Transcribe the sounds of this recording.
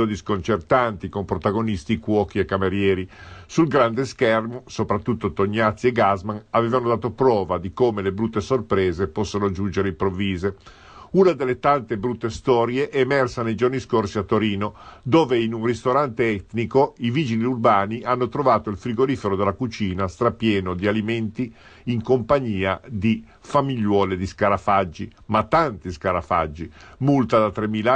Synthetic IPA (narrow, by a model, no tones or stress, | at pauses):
od̪iskont͡ʃert̪ant̪ikompɾot̪aɡonist̪ikwɔːkiekːameɾjɛːɾisulɡɾand̪eskɛrmosopɾat̪ːut̪ːot̪oɲːat̪sieɡazmanaveːvanod̪aːt̪opɾɔːvad̪ikoːmelebɾut̪ːesorpɾeːzepɔsːonod͡ʒund͡ʒeɾeimpɾovːiːze | unad̪elːet̪ant̪ebɾut̪ːest̪ɔːɾjeʔemɛrsanejd͡ʒorniskorsiat̪ːoɾiːnod̪oːveinunrist̪oɾant̪eɛt̪nikoiviːd͡ʒiliurbaːniʔanːot̪ɾovaːt̪oilfɾiɡoɾiːfeɾod̪elːakut͡ʃiːnast̪ɾapjɛːnod̪ialiment̪i | iŋkompaɲiːad̪i | famiʎːwɔːled̪iskaɾafad͡ʒːi | mat̪ːant̪iskaɾafa̰d͡ʒːimult̪ad̪at̪ɾemila